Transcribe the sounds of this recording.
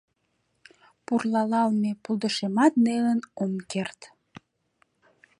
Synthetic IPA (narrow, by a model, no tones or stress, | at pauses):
purlɑlɑlmepulˠd̪əʃemɑt̪nelənomkert̪